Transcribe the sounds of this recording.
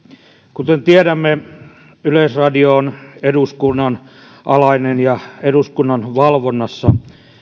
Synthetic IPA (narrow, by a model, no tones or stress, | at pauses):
kut̪ent̪ieɾæmːe | ylesrɑdioːneduskunːɑn | ʔɑlɑinenjɑeduskunːɑnʋɑlʋonːɑsːɑ